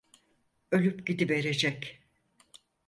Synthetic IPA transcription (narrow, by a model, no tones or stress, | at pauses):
ø̞lʲypɟid̪ibe̞ɾe̞d͡ʒɛc